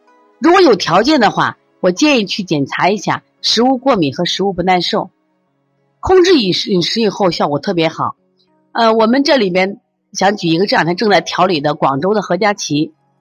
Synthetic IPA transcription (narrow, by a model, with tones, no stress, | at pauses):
ɻu˧˥kwɔ˧˥jo˨˩ʊt̪ʰjɑ˧˥ʊt͡ɕjɛ˥˩nd̪ə˩xwa̰˥˩ | wɔ˨˩t͡ɕjɛ˥˧ni˥˧t͡ɕʰy˥˩t͡ɕjɛ˨˩nt͡sʰa˧˥i˧˥ɕja̰˥˩ | ʂɻ̩˧˥u˥˧kwɔ˥˩mi˨˩xɤ˧˥ʂɻ̩˧˥u˥˩pu˧˥na˥˧nʂo˥˩ʊ | kʰʊ˥˧ŋʈ͡ʂɻ̩˥˩i˨˩ʂi˨˩ʂɻ̩˧˥i˨˩xo˥˧ʊɕjʊkwɔ˨˩t̪ʰɤ˥˩p̬jɛ˧˥xɑ˨˩˦ʊ | ə˧wɔ˨˩mə˧˦nʈ͡ʂɤ˥˩li˨˩pjɛ˥n | ɕjɑ˧˥ŋt͡ɕy˨˩i˧˥ɡə˧ʈ͡ʂjt̪ʰa˥ʈ͡ʂɤ˥˧ŋt͡sa˥˩ɪt̪ʰjɑ˧˥ʊli˨˩d̪ə˦kwɑ˨˩ŋʈ͡ʂo˥ʊd̪ə˨xɤ˧˥t͡ɕja˥t͡ɕʰi˧˥